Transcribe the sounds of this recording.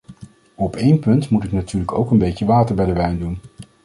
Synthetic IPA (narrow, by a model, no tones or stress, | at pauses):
ɔpejnpɵntmutɪknatyːɹləkowkənbejcəʋaːtəɹbɛjdəʋɛjndun